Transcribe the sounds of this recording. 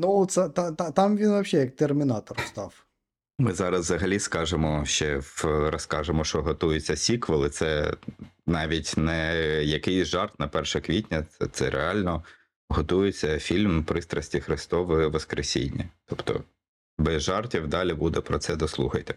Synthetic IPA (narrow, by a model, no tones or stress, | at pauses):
nuɔt̪sɛt̪ɑt̪ɑt̪ɑmʋʲinʋɐpʃʲɛjɐk̚t̪ermʲɪnɑt̪ɔrst̪ɑw | mɪzɑɾɐzzɐɦɐlʲiskɑʒemɔʃt͡ʃɛɾɔskɑʒemɔʃɔɦɔt̪ujʊt͡sʲːɐsʲikʋɪlˠɪt̪sɛ | nɑʋʲitʲnɛjɐkɪjsʲʒɑrt̪nɐpɛrʃɛkʋʲitʲnʲɐɛt̪sɛɾʔḛɑlʲnɔ | ɦɔt̪ujɪt͡sʲːɐfʲilʲmpɾɪst̪ɾɐsʲtʲixɾɪst̪ɔʋɔʋɔskɾʔesʲḭnʲːḭt̪ɔpt̪ɔ̰ | bɛzʒɑrtʲiwd̪ɑlʲibud̪ɛpɾɔt̪sɛd̪ɔslˠṵxɐjt̪ɛ